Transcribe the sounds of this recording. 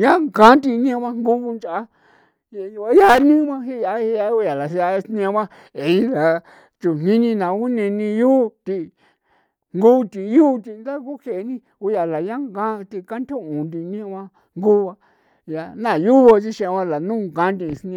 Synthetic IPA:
jã˦ŋɡã˦nt̪̬i˧nĩ˦a˧βã˦˧ŋɡu˦βu˧nt͡ʃa˨a˦ | ja˧ja˦ja˦nĩ˦mã˦hi˦ja˧i˧ja˧u˧˦ja˨la˨sa˧snĩ˧a˧βã˦ | e˨i˦la˨ | t͡ʃu˨nĩ˦nĩ˧nã˨˧u˦nĩ˧nĩ˧juː˦˧t̪i˧ | ŋɡu˦˧t̪ĩ˨˧juː˦˧t̪i˧nd̪a˦ku˦ke˧˨˧nĩ˦ | u˧ja˨la˨jã˦ŋɡã˦˧t̪i˧ka˦nt̪ʰõ˦ũ˨nd̪ĩ˧nĩ˦a˧βã˧ | ŋɡu˦˧βa˧ | ja˧nã˦˨ju˦βo˧t͡ʃi˦˧ʃĩ˧a˧βã˧la˨nũː˦˨ɡã˦nt̪̬ĩ˧snĩ˧

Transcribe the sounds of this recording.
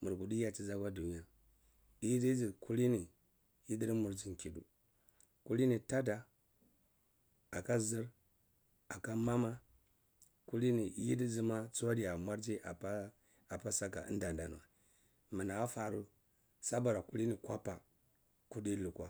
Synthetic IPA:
mu˨ɾɡu˨di˦ja˦t͡ʃi˦za˦ɡa˦du˨ni˦a˨ | i˦di˦d͡zi˨ku˦li˦ni˨ | ji˦di˦ɾmu˨ɾd͡ʒi˨ŋ˨ki˨dṵ˨ | ku˦li˦ni˨ta˦da˨ | a˨ka˦zi˦ɾ | a˨ka˦ma˦ma˦ | ku˦li˦ni˨ji˦di˦d͡zi˦ma˦t͡sa˦di˨a˨mʷa˦ɾd͡ʒi˦ʔa˨pa˦ | a˨pa˦sa˦ka̰˨ḭ˦nda˨nda˨nu˨a̰˨ | mi˨na˨a˦fa˨ɾu˦ | sa˦ba˨ɾa˨ku˦li˦ni˨kʷa˦pa˨ | ku˦di˦lu˨kwa˦

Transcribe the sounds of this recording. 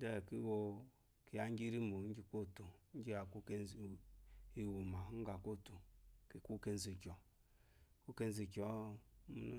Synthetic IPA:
de˦˨ki˦wo˦ | ki˨ja˨ŋ˦ɡi˦ɾi˦mu˨˦d͡ʒi˦ko˦˨tu˨n̩˦d͡ʒi˦a˨ku˦ke˦˨ | i˨wu˨ma˨˦ɡa˨ko˦˨tu˨ki˨ku˦ke˦n˦zi˨kʲɔ˨ | ku˦ke˦n̩˦zi˨kʲo˨˦mu˦n˦

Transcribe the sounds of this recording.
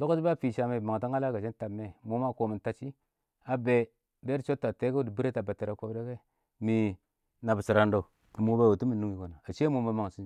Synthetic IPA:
lo˦ko˦d͡ʒi˦ba˦˨fi˨ʃa˨me˨ma˨ŋ˨ta˦ŋa˦la˦ɡa˨t͡ʃe˦n˦ta˨mːe˦mo˦ma˦˨ko˨mi˨nta˨t͡ʃi˦ | a˨be˨ | be˦i˦t͡ʃo˦tːa˨te˦ke˦di˨bi˦e˦ta˨ba˨te˨ɾa˨kʷo˦bde˦ke˦ | mi˨ | na˨bsi˨ɾa˨ndo˨ | i˨mu˦ba˦wo˨tu˦mi˨nu˦ŋi˨ko˨na˨a˨t͡ʃe˦mo˨ma˦ma˨ŋ˨si˦

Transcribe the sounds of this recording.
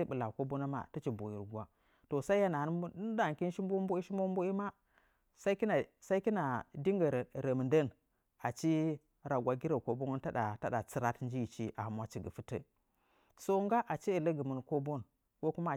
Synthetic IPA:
bə˨la˨ko˦bo˦na˦ma̰˦˨tə˦t͡ʃi˨bo˨jḭ˨ɾɡʷa˦ | to˨sa˦i˦ja˦na˨˦n˦da˨ki˦n˦ʃi˦mbo˦mbo˦i˦ʃi˦mbo˦mbo˦i˦ma˦ | sa˦i˦ki˦na˨sa˦i˦ki˦na˨di˦ŋɡə˨ɾɾə˨mə˨ndə˦n | a˨t͡ʃi˦ | ɾa˨ɡʷa˨ɡi˦ɾə˦˨ko˦bo˦ŋu˦n˦ta˦ɗa˨ta˦ɗa˨t͡sɨ˦ɾa˦tn˦d͡ʒi˦ji˨t͡ʃi˦ʔa̰˨ha˨mwa˦t͡ʃi˨ɡə˨fɨ˦tə̰˨ | so˦ŋɡa˦ʔa˨t͡ʃi˦i˨lə˦ɡə˨mə˨nko˦bo˦n | ko˦ku˦ma˦˨

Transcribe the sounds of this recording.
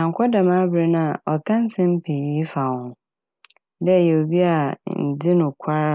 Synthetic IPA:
nã˨ŋ̩˨kʰʷɔ˦da˨mã˦bɾe˦nã˦a˨ɔ˨tʰã˦n̩˦sɪ̃˦m̩˦pʰe˨ji˦fa˨hʊ̃˨ | dɛ˦˨jɛ˨o˨bi˦a˨n̩˨d͡zɪ˦nʊ̃˨kʷʰa˦ɾa˦

